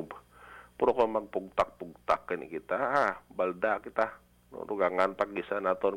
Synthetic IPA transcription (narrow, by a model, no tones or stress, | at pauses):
b | puɾokɔmaŋ̚puɡt̪ak̚puɡ̚t̪akːinḭkit̪aːbaldakit̪a | no̰nuɡaŋanpak̚ɡisanat̪ɔn